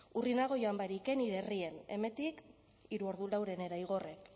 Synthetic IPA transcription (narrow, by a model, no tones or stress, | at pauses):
urinaɣ̞o̞jo̞ambaɾike̞niɾerie̞ne̞̰me̞nt̪ik | iɾuo̞ɾðulawɾe̞ne̞ɾaiɣ̞o̞re̞k